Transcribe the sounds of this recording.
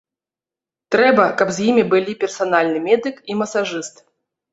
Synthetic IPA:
t̪ɾɛbɐkɐbzʲjimʲibɨlʲipʲɛrsanalʲnɨmʲɛd̪ɨkimɐsaʐɨst̪

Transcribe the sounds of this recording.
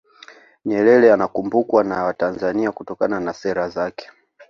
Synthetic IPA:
ɲɛlɛlɛanakumbukwanawatanzaniakutɔkananasɛɾazakɛ̥

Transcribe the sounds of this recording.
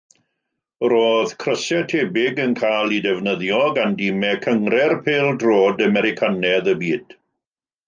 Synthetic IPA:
roːðkʰrəsɛtʰeːbɪɡənkʰajlˠidɛvnəðjɔɡandiːmɛkʰəŋrɛrpʰeːlˠdroːdəmɛɾɪkʰanɛðəbiːd̥

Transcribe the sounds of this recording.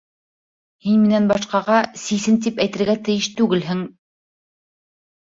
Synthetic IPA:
hinmĭnænbɑʃqɑʁɑsisɘnt̪ipæjt̪ɘ̆ɾɡæt̪ɘ̆jɘʃt̪ʉɡɘlɦɘŋ

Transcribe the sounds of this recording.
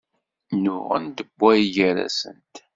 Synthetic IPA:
nʊʁæ̰nd̪əbːæjiʝəɾæ̰sə̰nt̪

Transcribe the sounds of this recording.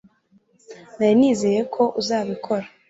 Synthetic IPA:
najiniːzeːje̞kʰo̞ʔuzaːβikʰo̞ɾa

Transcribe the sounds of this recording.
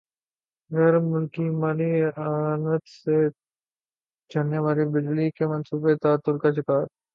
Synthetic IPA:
ɣɛːɾmʊlkiːmanianət̪se | d͡ʒɐnːeʋaːɾiːbɪd͡ʒlikemɐnsuːbet̪aːt̪ʊɾkaʃɪkaːɾ

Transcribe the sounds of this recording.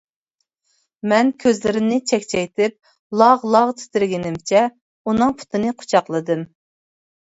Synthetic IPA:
mɛnkʲʰøzlɪɾɪmnɪt͡ʃʰɛkʲt͡ʃʰɛjt̪ɪp̚ | lˠɑʁlˠɑʁt̪ʰɪ̥t̪ɪɾɡʲɪnɪmt͡ʃʰɛ | unɨŋpʰʊ̥t̪ʰɨnɨqʰʊ̥t͡ʃʰɑqlˠɨd̪ɨm

